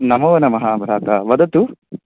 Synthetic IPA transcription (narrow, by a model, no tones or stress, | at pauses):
nɐmɐʋɐnɐmɐɦaːbʱɾaːt̪aːʋɐd̪ɐt̪u